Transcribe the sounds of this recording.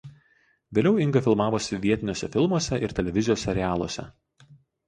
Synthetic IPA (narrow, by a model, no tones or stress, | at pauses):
ʋʲeːlʲɛʊɪŋɡɐfʲɪlˠmɑːʋoːsʲɪʋʲiɛt̪ʲɪnʲoːsʲɛfʲɪlˠmuɔsʲɛʔɪɾt̪ʲɛlʲɛʋʲɪzʲɪjoːsʲɛɾʲɪæːlˠo̰ːsʲɛ̰